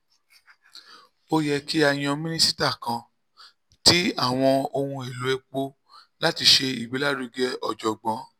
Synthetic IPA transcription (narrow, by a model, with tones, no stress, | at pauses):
o˧jɛ˧ki˦a˧j̃ã˧mĩ˦nĩ˦si˦ta˦˨kã˧ | ti˦a˦˨w̃ɔ̃˧o˧hũ˧e˨lo˨˦ɛ˧k͡po˦ | la˦ti˧ʃe˧i˨ɡ͡bi˨˦la˦˨ɾu˨˧ɡɛ˦ɔ˧˨d͡ʒɔ˨ɡ͡bã˨˦